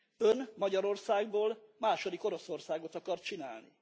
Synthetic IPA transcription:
ønmɒɟɒɾo̞rsaːɡboːlmaːʃo̞d̪iko̞ɾo̞so̞rsaːɡo̞t̪ɒkɒrt̪̚t͡ʃina̰ːlnḭ

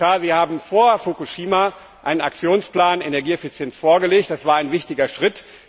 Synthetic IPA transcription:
aːziːhaːbm̩foːɐfokuʃiːma | ʔaɪnənak̚t͡sjoːnspl̥aːnenɛɐɡiːɛfit͡sjɛnsfoːɐɡəleːktd̥asv̥aːɐaɪnvɪçtɪɡɐʃʁ̥ɪt

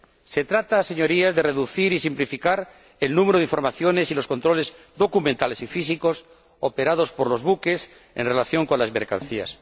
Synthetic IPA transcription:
se̞t̪ɾat̪ase̞ɲo̞ɾiazðereðuθiɾisimplifikaɾ | elnũmeɾoð̞iɱfo̞ɾmaθjo̞ne̞silo̞sko̞nt̪ɾo̞le̞z | d̪o̞kumẽnt̪ale̞sifis̬iko̞s | opeɾað̞o̞spo̞ɾlo̞zβuke̞s | ḛnre̞laθjo̞ŋko̞nlazmeɾka̰nθia̰s

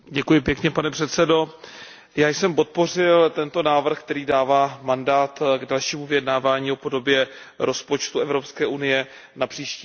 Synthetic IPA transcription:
ɟɛkujɪpjɛkɲɛpanɛpr̥ɛt̪sɛdo̞ | jaːjsɛmpo̞t̪̚po̞r̝ɪlt̪ɛnt̪o̞naːvr̩xk̚t̪ɛɾiːdaːvaːmandaːt̪ɡdalʃiːmuvɪjɛdnaːvaːɲiːo̞po̞do̞bjɛ | ɾʔo̞spo̞t͡ʃt̪uɛvɾo̞pskɛːʔunɪjɛnapr̥iːʃciː

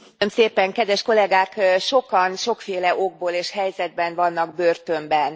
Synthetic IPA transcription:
ømseːpɛŋkɛd̪ʋɛʃko̞lɛɡaːkʃo̞kɒnʃo̞kfeːlɛʔo̞ɡ̚boːleːʃhɛjzɛd̪̚bɛnvɒnːɒɡ̚børt̪ømbɛn

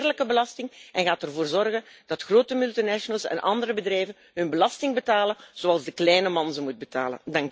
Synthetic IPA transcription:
rləkəbəlɑstɪŋɛnɣaːtərvoːrzɔrɣənd̥ɑtxroːtəmylˠtinɛʃənəlˠsɛ̰nʔɑ̰ndəɾəbədrɛjvən | ɦɵnbəlɑstɪŋbətaːlənz̥oɑlˠzdəklɛjnəmɑnzəmud̚bəta̰ːlə̰ndɑŋk

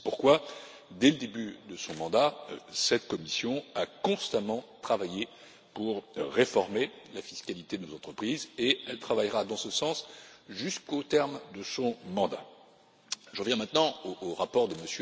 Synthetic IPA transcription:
ɛpuʁkwa | d̪ɛləd̪ebyd̪əsɔ̃mɑ̃d̪asɛt̪kɔmisjɔ̃akɔ̃st̪amɑ̃t̪χavaje | puʁːefɔʁme | lafiskalit̪ed̪ənozɑ̃t̪χəpχizeɛlt̪χavajʁad̪ɑ̃səsɑ̃sʒyskot̪ɛʁmd̪əsɔ̃mɑ̃d̪a | ʒəʁəvjɛ̃mɛ̃t̪nɑ̃oːʁapɔʁd̪əməsjø

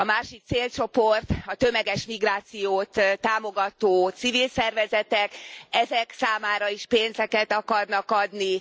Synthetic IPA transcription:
ɒmaːʃik̚t̪seːlt͡ʃo̞po̞rt̪ɒt̪ø̞mɛɡɛʃmiɡraːt̪sijoːt̪t̪aːmo̞ɡɒt̪oːt̪sivilsɛrvɛzɛt̪ɛkɛzɛksaːmaːɾɒiʃpeːnzɛkɛt̪ɒkɒrnɒkɒd̪ni

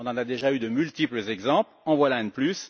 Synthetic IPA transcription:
ɔ̃nɑ̃nad̪eʒayd̪əmylt̪ipləzɛɡzɑ̃plɑ̃vwalaɛ̃d̪əplys

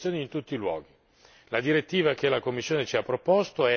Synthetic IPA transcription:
joːnint̪ut̪ːilwɔ̰ːɡi | lad̪iɾet̪ːiːvakelakomːisːjoːnet͡ʃiapːɾopost̪oɛ

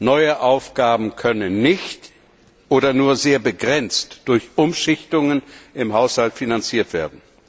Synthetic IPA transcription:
nɔʏəʔaʊfɡ̥aːbm̩kʰœnənːɪçt | ʔoːɾɐnuːɐzeːɐbəɡʁɛnt͡std̥ʊɐçʔʊmʃɪçtʊŋənʔɪmɦaʊshaltfinant͡siːɐtv̥eːɐdn̩

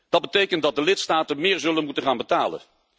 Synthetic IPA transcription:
d̥ɑd̚bətejkənt̚dɑt̚dəlɪtstaːtəmɪːɹzɵlənmutənχaːnbətaːlə̰n

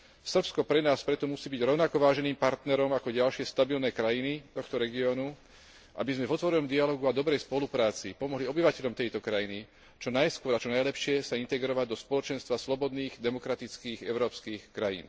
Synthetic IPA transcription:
sr̩pskɔpɾɛnaːspɾɛt̪ɔmusiːbiɟɾɔʊnakɔʋaːʒɛniːmpaɾt̪nɛɾɔmakɔɟalʃɪɛst̪abilnɛkɾajinit̪ɔxt̪ɔɾɛɡiɔːnu | ʔa̰bizmɛvɔt̪ʋɔɾɛnɔmd̪ialɔːɡuad̪ɔbɾɛjspɔlupɾaːt͡sipɔmɔɦliɔbiʋacɛʎɔmt̪ɛjt̪ɔkɾajini | t͡ʃɔnajskʊɔɾat͡ʃɔnajlɛpʃɪɛsaint̪ɛɡɾɔʋaɟd̪ɔspɔlɔt͡ʃɛnst̪ʋaslɔbɔd̪niːɣd̪ɛmɔkɾat̪it͡skiːɣɛ̰ʊɾɔːpskiːxkɾajḭːn

